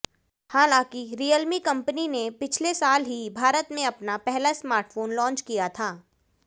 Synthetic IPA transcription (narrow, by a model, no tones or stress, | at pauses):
haːlãːkiɾijəlmikɐ̃mpəninepɪt͡ʃʰlesaːlɦibʱaːɾət̪mẽɐpnapɛɦlasmaːɾʈfoːnlɔ̃ːnt͡ʃkijat̪ʰaː